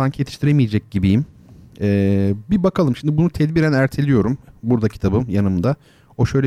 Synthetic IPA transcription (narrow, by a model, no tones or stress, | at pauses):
aŋkjet̪ʰi̥ʃt̪ʰiɾemijed͡ʒɛc̚ɟibijimɛːbibakʰalˠɯmʃimd̪ibunut̪ʰɛd̪biɾænæɾt̪ʰe̞lʲijo̞ɾumbuɾd̪acʰi̥t̪ʰabɯmjanɯmd̪a | o̞ʃø̞jlʲɛ